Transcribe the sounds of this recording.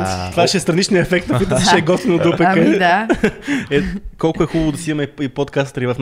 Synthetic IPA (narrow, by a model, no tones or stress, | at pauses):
t̪vaʃɛst̪ɾɐnit͡ʃniəɛfɛk̚t̪nɐkɔjt̪sʃɛɡɔt̪vʲinod̪udpɛkə | ɛkɔlˠkʊɛxubəbvʊd̪ɐsiimɐiipot̪kast̪əɾivɐfn